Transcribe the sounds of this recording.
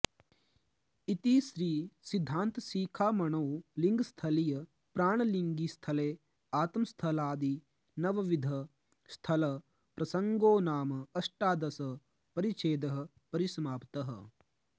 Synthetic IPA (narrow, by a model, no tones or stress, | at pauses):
it̪isɾiːsid̪ʱːaːnt̪siːkʰaːmɐɳɐwliŋɡst̪ʰɐlijɐ | pɾaːɳɐliŋɡist̪ʰɐleː | aːt̪ɐmst̪ʰɐlaːd̪i | nɐʋɐʋid̪ʱɐ | st̪ʰɐlɐ | pɾɐsɐŋɡoːnaːmɐɐsʈaːd̪ɐsɐ | pɐɾit͡ʃeːd̪ɐɦɐ̆ | pɐɾisɐmaːpt̪ɐɦɐ̰